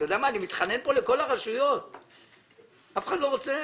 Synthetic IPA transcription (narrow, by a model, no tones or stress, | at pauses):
jod̪eamaːnimit̪χane̞npo̞le̞ko̞laʁaʃujo̞t̪̚ | afe̥χad̪lo̞ʁot͡se